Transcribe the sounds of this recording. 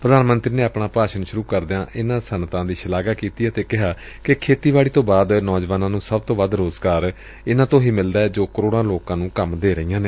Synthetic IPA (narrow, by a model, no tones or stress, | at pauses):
pɾəd̪aːnmənt̪ɾiːneːapɳaːpaːʃənʃʊɾuːkəɾd̪ɪãːʔɪnãːsənt̪ãːd̪iːʃəlaːɡaːkiːt̪iːaːt̪eːkɪɦaː | kɪkʰeːt̪iːʋaːɭiːt̪õːbaːd̪nɔːd͡ʒʋaːnãːnũːsəb̚t̪õːʋəd̪ɾoːzɡaːɾ | ɪnãːt̪õːɦiːmɪld̪aːɛːd͡ʒoːkəɾoːɽãːloːkãːnũːkəmd̪eːɾəɦijãːneː